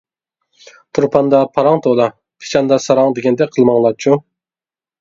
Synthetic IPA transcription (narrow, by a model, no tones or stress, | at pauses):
t̪ʰuɾpʰɑnd̪ɑpʰɑɾɑŋt̪ʰolˠɑ | pʰɪ̥t͡ʃʰɑnd̪ɑsɑɾɑŋd̪eɡʲɛnd̪ɛqʰəlˠmɑŋlˠɑt͡ʃʰu